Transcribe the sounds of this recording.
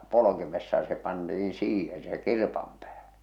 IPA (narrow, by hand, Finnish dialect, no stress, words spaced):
polokimesːɑ jɑ se pɑntiĩː siːhen se kirpɑm pæːhæ̥